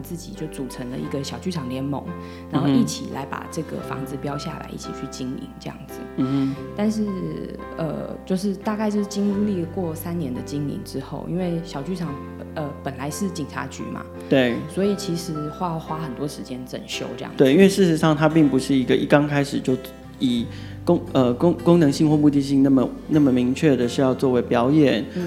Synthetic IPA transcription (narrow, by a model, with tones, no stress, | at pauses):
t͡sɹ̩˥˩t͡ɕḭ˨˩t͡ɕjo˥˩ʊt͡su˨˩ʈ͡ʂʰə˧˦ŋlə̰˧i˧˥ɡə˧ɕjɑ˨˩ʊt͡ɕy˥˩ʈ͡ʂʰɑ˨˩ŋljɛ˧˥nmo̰˧˥˦ŋ | na˧˦nxo˥˧i˥˩t͡ɕʰḭ˨˩la̰˧˥ɪpa̰˨˩ʈ͡ʂɤ˥˩ɡə̰˩fɑ̰˧˥ŋd͡zɹ̩˨˧pjɑ˥ʊɕja̰˥˩la̰˧˥ɪʔi˥˩t͡ɕʰḭ˨˩t͡ɕʰy˥˩t͡ɕi˥ŋḭ˧˥ŋʈ͡ʂɤ˥˧jɑ̰˥˩ŋd͡zɹ̩˨˩˨t̪a˥˧nʂ̬ɻ̩˥˩ | ə̰˧˩t͡ɕjo˥˧ʊʂɻ̩˥˧t̪a˥˧ka˥˧ɪt͡ɕo˥˩˥t͡ɕi˥ŋu˧li˥˩kwɔ˥˩sa˥nnjɛ˧˥nd̪ə˨t͡ɕi˥ŋḭ˧˥ŋʈ͡ʂɻ̩˥xo̰˥˩ʊʔḭ˦˥nwe˥˩ɪɕjɑ˨˩ʊt͡ɕy˥˩ʈ͡ʂʰɑ˨˥ŋ | ə˧pə˨˩nla˧˥ɪʂɻ̩˥˩t͡ɕi˨˩ŋʈ͡ʂʰa̰˧˥t͡ɕy̰˧˥ma̰˩t̪we˥˩ɪswɔ˧˥i˨˩t͡ɕʰi˧˥ʂɻ̩˧˥xwa˥˩xwa˥xə˨nt̪wɔ˥ʂɻ̩˧˥t͡ɕjɛ˥nʈ͡ʂə̰˨˩nɕjo̰˥ʊʈ͡ʂɤ˥˧j̰ɑ̰˧˨t̪we˥˩ɪi˥nwe˥˧ɪʂɻ̩˥˩ʂɻ̩˧˥˦ʂɑ˥˩ŋt̪ʰa˥pi˥˩ŋpu˨˦ʂɻ̩˥˩i˧˥ɡə˧ʔḭ˥˩kɑ˥˦ŋkʰa˥ɪʂɻ̩˨˩t͡ɕjo˥˩ʊ | i˨˩ | ko˥ŋə˧ko˥ŋko˥ŋnɤ˧˥ŋɕi˥˧ŋxwɔ˥˧mu˥˧t̪i˥˧ɕi˥˧ŋna˥˩mə˨na˥˩mə˨˩mi˧˥ŋt͡ɕʰɥɛ˥˩d̪ə˩ʂɻ̩˥˧jɑ˥˧ʊt͡swɔ˥˩we˧˥ɪpjɑ˧˥ʊjɛ˨˩˦n